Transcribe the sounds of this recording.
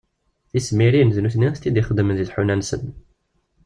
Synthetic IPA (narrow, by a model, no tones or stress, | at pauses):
θismiɾinəznuθniæst̪ːid̪iχəd̪ːmənðiθħunænsə̰n